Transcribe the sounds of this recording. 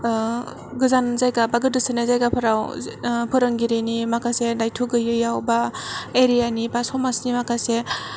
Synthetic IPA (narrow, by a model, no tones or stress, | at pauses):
ɡɯzanzajɡabaɡɯdɯsɯnazajɡapʰɯɾawpʰɯɾɯŋɡiɾinimakʰasedajtʰuɡɯjɯjawbaeɾijanibasɔmasnimakʰase